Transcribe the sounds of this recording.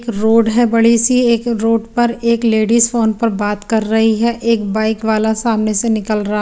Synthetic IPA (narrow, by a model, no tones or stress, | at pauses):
kɾoːɖɦɛbɐɽ̤isieːkɾoːɖpɐɾeːkleːɖizfoːnpɐɾbaːt̪kɐɾːɐɦiɦɛʔeːkbaːɪkʋaːlasaːmnesenɪkəlɾɐɦa